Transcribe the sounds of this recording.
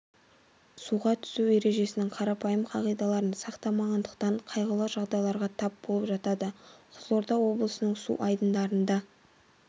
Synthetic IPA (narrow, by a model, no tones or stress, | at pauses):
suʁɑt̪ʰʏ̥sue̞ɾe̞ʒe̞sɪnɪŋqʰɑɾɑpɑjəmqʰɑʁijd̪ɑlˠɑɾənsɑqt̪ɑmɑʁɑnd̪əqt̪ɑɴqʰɑjʁəlˠəʒɑʁd̪ɑjlˠɑɾʁɑt̪ʰɑp̚b̥o̞lˠəpʒɑt̪ɑd̪əqʰʊzlˠoɾd̪ɑwo̞blˠəsənəɴsṵʔɑjd̪ənd̪ɑɾənd̪ɑ